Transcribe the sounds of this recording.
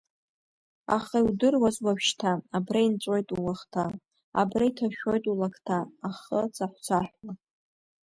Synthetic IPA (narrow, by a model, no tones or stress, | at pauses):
a̰χaiwdɨrwazwapʃtʰaːbraint͡sʷʼo̞jtʼulaχtʰa̰ː | braitʰaʃᶣo̞jtʼulakʰtʰaːχət͡sʰʼaħʷt͡sʷʰaħʷᶣwa